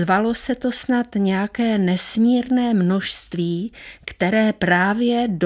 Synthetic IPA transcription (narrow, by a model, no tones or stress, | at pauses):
valo̞sɛt̪o̞snat̪ɲɛjakɛːnɛsmiːɾnɛːmno̞ʃst̪viːkt̪ɛɾɛːpɾaːvjɛd